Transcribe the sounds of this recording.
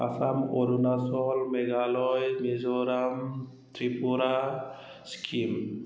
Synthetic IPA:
a̰samoɾunasɔlmeɡalɔjmezɔɾam | t̪ɾipuɾa | skʰim

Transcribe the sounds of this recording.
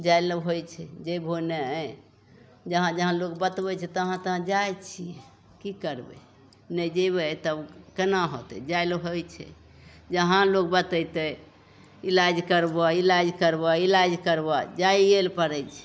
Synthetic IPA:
d͡ʒajləbɦojt͡ʃʰɛd͡ʒəjbʱonɛ | d͡ʒəɦãd͡ʒəɦãlokbət̪bɛt͡ʃʰɛt̪əɦãt̪əɦãd͡ʒajt͡ʃʰiɛ | kikəɾbḛ | nəd͡ʒəbət̪əbkənaɦot̪ɛ̰d͡ʒalɦojt͡ʃʰɛ̰ | d͡ʒəɦãlok̚bət̪ət̪ə | ilad͡ʒkəɾbɔilad͡ʒkəɾbɔilad͡ʒkəɾbɔd͡ʒaielpəɾɛjt͡ʃʰɛ̥

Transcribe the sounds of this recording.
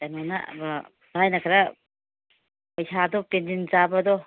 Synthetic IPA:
anɔna̰ba | bajnakʰaɾa | pɐjsʰadɔpendinzabadɔ

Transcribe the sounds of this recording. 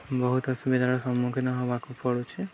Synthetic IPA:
bɔɦut̪ɔsubid̪ʱaɾɔsɔmːukʰenɔɦɔbakupɔɽut͡ʃʰe

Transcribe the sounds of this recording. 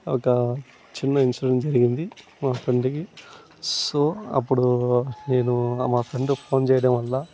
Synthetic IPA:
ɔ̰kɐ | t͡ʃinːɐinsɐɽɐnd͡ʒɐɾiɡind̪i | maːpʰɾeɳɖki | soːɐ̰pːuɽune̞ːnumaːpʰɾeɳɖpʰo̞ːnt͡ʃɛːjɐɽɐmʋɐlːaː

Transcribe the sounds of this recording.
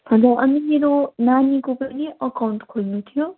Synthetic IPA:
pʰʌ̃d͡zaʔʌnimeɾonanikopʌniʔʌkawɳʈkʰolnut̪ʰijo

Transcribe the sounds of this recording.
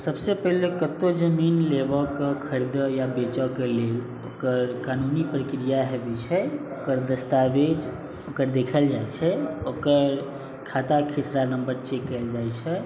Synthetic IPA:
səbsepəɦlekət̪od͡ʒəminlebəkəkʰəɾid̪əjabet͡ʃɔkelel | okəɾkanunipɾəkɾijaɦɛbit͡ʃʰəjokəɾd̪əst̪abed͡ʒ | okəɾd̪ekʰəld͡ʒajt͡ʃʰɛokəɾ | kʰat̪akʰisɾanəmbəɾt͡ʃekːəld͡ʒajt͡ʃʰɛ

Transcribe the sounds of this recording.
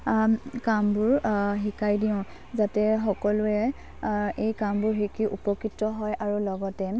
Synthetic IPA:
kambʊɹɦikʰajdiʊ̃ | zatɛxɔkɔlʊɛ | ejkambʊɹɦikiʔupɔkɹitːɔɦɔjʔaɹulɔɡɔtɛ

